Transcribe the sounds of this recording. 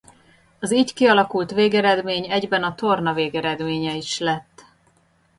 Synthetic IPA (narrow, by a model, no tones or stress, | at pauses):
ɒziːckiɒlɒkult̪ʋeːɡɛɾɛd̪meːɲɛɟbɛnɒt̪o̞rnɒveːɡɛɾɛd̪meːɲɛiʃlɛt̪ː